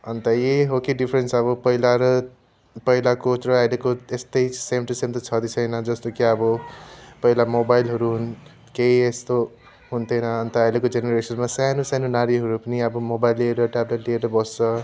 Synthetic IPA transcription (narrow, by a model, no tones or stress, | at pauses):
ʌnt̪ʌjeɦokeɖipʰɾensʌbʌpʌɦilaɾʌ | pʌɦilakot͡srʌajlekoest̪ʌjsemʈʌsemt̪ʌt͡sʰʌd̪it͡sʰʌjnʌd͡zʌst̪okiʌbʌpʌɦilamobajlɦʌɾuɦun | keiest̪o | ɦunt̪ʰʌjnʌʌnt̪ʌajlekod͡zeneɾesʌnmasanusanunaɾiɦʌɾupʌniʌbʌmobajlːieɾʌʈableʈlieɾʌbʌst͡sʌ